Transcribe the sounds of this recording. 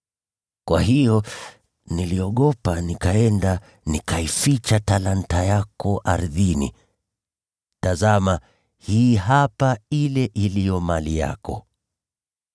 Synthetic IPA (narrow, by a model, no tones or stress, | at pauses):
kwaɦijɔ | niliɔɠɔpanikaɛnda | nikaifit͡ʃatalantajakɔʔaɾðinḭ | tazama | hiːɦapailɛʔilijɔmalija̰kɔ̰